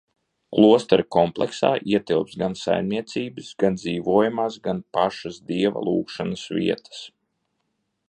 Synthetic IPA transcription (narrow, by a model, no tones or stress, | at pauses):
klˠuɔst̪aɾkɔmplˠɛ̰ksa̰ːʔiɛt̪ilˠpsɡansa̰jmniɛt̪siːbɨsɡand̪ziːʋuːjamaːsɡanpaʃasd̪iɛva̰lˠuːkʃanəsvḭɛt̪ə̥s